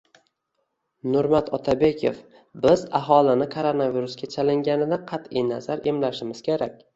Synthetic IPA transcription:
nʊɾmat̪ʰɒt̪ʰabe̞kʲʰḛf | bɪzaɦɒlˠɪnɪkʰoɾonaviɾʊskʲat͡ʃʰalɪŋɡʲanɪd̪aqʰɑt̪ɪjnazaɾe̞mlaʃɪmɪz̥kʲeɾakʲ

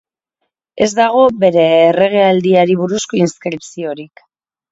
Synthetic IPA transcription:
e̞zd̪aɣ̞o̞be̞ɾe̞ːre̞ɣ̞e̞ald̪iaɾiβ̞uɾusko̞inskɾipsio̞ɾik

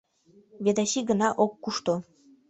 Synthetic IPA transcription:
βʲed̪ɑɕiɡə̆nɑʔokːuʃt̪o

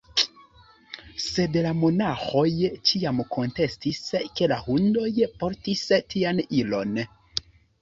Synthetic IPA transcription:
se̞dlamo̞naxo̞jt͡ʃiamkʰo̞nte̞stiske̞lahundo̞jpo̞ɾtistianilo̞̰n

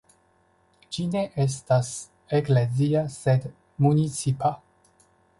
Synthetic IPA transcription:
d͡ʒine̞ʔes̬tas | ekleziased | munit͡sipʰa

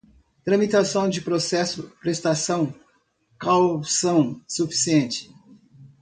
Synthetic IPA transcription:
t̪ɾɐ̃mit̪asɐ̃w̃d͡ʒɪpɾosɛsʊpɾest̪asɐ̃w̃ | kawsɐ̃w̃sufi̥siẽnt͡ʃɪ̥

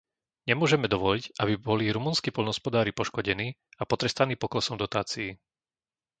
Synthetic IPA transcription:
ɲɛmʊɔʒɛmɛd̪ɔʋɔliɟʔabibɔliɾumuːnskiːpɔlnɦɔspɔd̪aːɾipɔʃkɔɟɛniːapɔt̪ɾɛst̪aniːpɔklɛsɔmd̪ɔt̪aːt͡siː

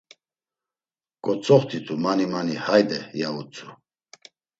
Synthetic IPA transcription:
kʼɔt͡sʼɔχt̪ʰit̪ʰʼumanimanihajd̪ɛjaut͡sʰʼu

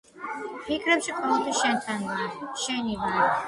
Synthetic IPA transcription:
pʰikʰɾɛpʃikʰɔlˠɛlˠt̪ʰaʃɛnt̪ʰanvaɾʃɛnivaɾi

